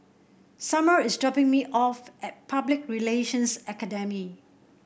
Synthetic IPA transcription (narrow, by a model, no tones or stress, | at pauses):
saməɹɪsdɔpɪ̃ŋmiʔɔfɛt̚pʰablɪk̚ɹileʃə̃nsɛkədɛmi